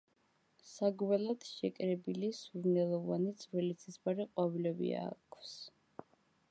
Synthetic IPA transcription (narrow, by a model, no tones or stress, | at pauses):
saɡwɛlˠad̪̥ʃɛkʼɾɛbilisvuɾnɛlˠɔvanit̪sʼɾwɛlit̪sʰisbaɾiqʼwavilɛbḭa̰kʰws